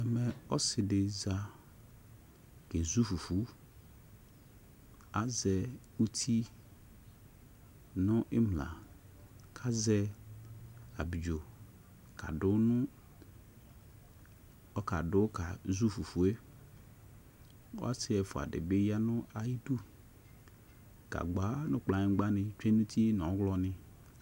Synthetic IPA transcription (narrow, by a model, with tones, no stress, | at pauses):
ɛ˨mɛ̃˨ɔ˦sɪ˨dɪ˨za˦ | ke˨zu˦fu˨fu˨˦ | a˦zɛ˨ | u˦t̪ʰi˦ | nʊ̃˦ʔɪ˦mlã̰˨ | kʰa˦zɛ˦ | a˨bi˨d͡ʒo˨ | kʰa̰˨dʊ˦nʊ̃˦ | ɔ˦ka˨dʊ˦ka˨zu˦fu˨fu˨e˦ | o̰˦a˦sɪ˦ɛ˨fʊ˨a̰˨dɪ̰˨bɪ˦ja˦nʊ̃˦ʔa˨ji˦du˦ | ka̰˨ɡ͡ba˨˦nʊ̃˦k͡plã˨ɲɪ̃˨˦ɡ͡ba˦nɪ̃˨t͡ʃᶣe˦nũ˦t̪ʰi˦n˨ɔ̃˨˦ɡlɔ˨nɪ˨